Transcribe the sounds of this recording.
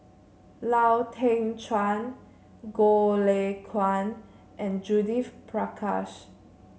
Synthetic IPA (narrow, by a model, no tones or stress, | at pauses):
lawtʰɛ̃ŋt͡ʃʰãn | ɡolekʰwãn | ʔɛ̃nd͡ʒudifpʰɹakʰa̰s